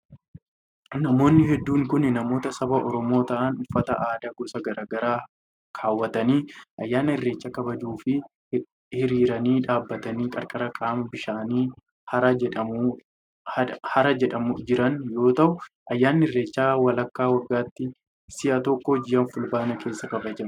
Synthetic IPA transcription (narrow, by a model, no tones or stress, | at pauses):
nɐmo̞ːnːɪhɛd̪ːuːŋkʊnɪnɐmo̞ːt̪ɐsɐbɐʔɔɾɔmo̞ːt̪ɐʔɐnʊfːɐt̪ɐʔaːd̪ɐɡɔsɐɡɐɾaːɡɐɾaː | kʰaːwːɐt̪ɐniːʔɐjːaːnɪrːe̞ːt͡ʃːɐkɐbɐd͡ʒuːfɪ | hɪɾiːɾɐniːᶑaːbːɐt̪ɐniːkʼɐɾkʼɐɾɐkʼaːmɐbɪʃaːniː | hɐɾɐɛᶑɐmː | ɐhɐɾɐd͡ʒɛᶑɐmʊd͡ʒɪɾɐnjo̞ːt̪ɐʔʊ | ʔɐjːaːnːɪɪrːe̞ːt͡ʃːaːwɐlɐkːaːwɐɡːaːt̪ːɪ | sɪʔɐt̪ɔkːɔd͡ʒɪjɐnfʊlbaːnɐkʰe̞ːsːɐkɐbɐd͡ʒɐn